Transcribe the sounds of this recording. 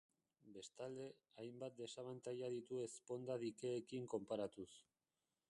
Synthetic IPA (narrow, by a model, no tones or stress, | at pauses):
be̞st̪ald̪e̞ | ajmbat̪̚d̪e̞saβant̪ajaðit̪ue̞spo̞nd̪aðikeːkiŋko̞mpaɾat̪us